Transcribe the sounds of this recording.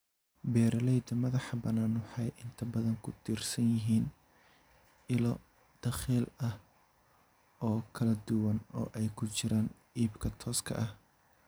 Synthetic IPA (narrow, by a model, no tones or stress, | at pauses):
bɛːɾɐlɛjd̪ɐmɐðɑħɑbɐnaːnwʊħɑjʔɪnt̪ʰɐbɐðɐŋkʰʊd̪ʰiːrsɐnjɪɦiːn | ɪlɔ | d̪̥ɐχiːlɐh | ɔːkʰɐlɐd̪ʊwɐnɔ̰ːʔɛjkʰʊt͡ʃɪɾaːn | iːbkʰɐt̪ʰɔːskʰɐ̰ʔɐh